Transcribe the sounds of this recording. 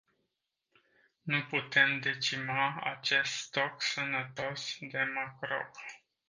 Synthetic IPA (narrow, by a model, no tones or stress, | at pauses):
nuput̪e̞md̪e̞t͡ʃimaa̰t͡ʃe̞st̪st̪o̞ksənət̪o̞sd̪e̞makɾo̰k